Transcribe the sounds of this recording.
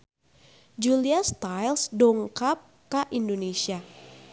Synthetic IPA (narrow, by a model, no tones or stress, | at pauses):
d͡ʒuliast̪ajlsdɔŋkap̚ | kaʔindonesia